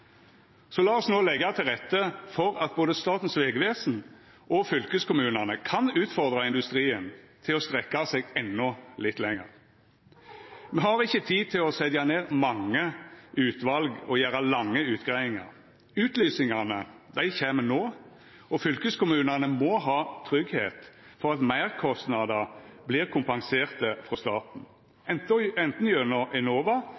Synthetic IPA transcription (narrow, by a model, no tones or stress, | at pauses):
sɔlɑːɔsnoːlɛɡːɑt̪ʰɪlʁɛt̪ːəfɔɾɑt̪̚boːd̪əst̪ɑːt̪n̩sʋeːɡʋeːsn̩ | ʔɔfʏlkəskʊmʉːnɑnəkʰɑnʉːt̪fɔʁd̪ʁɑɪnd̪ʉst̪ʁiːənt̪ʰɪlɔst̪ʁɛkːɑseɡɛnːɔlɪt̪ːlɛŋːə̰ʁ | mɛhɑːɾʁɪçːət̪ʰiːt̪ʰɪlɔsɛd̪jɑneːʁmɑŋːəʉːt̪ʋɑlɡɔjæːɾɑlɑŋːəʉːt̪ɡʁæɪɪŋɑ̰ʁ | ʉːt̪lyːsɪŋɑnə | d̪æɪçeːmənoː | ɔfʏlkəskʊmʉːnɑnəmɔɦɑːt̪ʰʁʏɡhḛːt̪fɔʁɑt̪mæɪʁkʰɔst̪nɑd̪ɑblɪːʁkʰʊmpɑŋseːʁt̪əfʁɔst̪ɑːt̪n̩ | ɛnt̪ɔɛnt̪n̩jønɔʔɛnoːʋɑ